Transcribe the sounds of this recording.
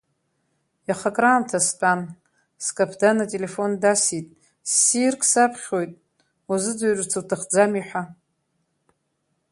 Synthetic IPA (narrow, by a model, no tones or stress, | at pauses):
jaχakʼraːmtʰastʼan | skʼapʰdanatʼele̞fo̞ndasitʼ | sirkʼsapʰχʲojtʼ | azɨd͡zaɥrʼt͡sʰɨwtʰɨχd͡zamiħʷa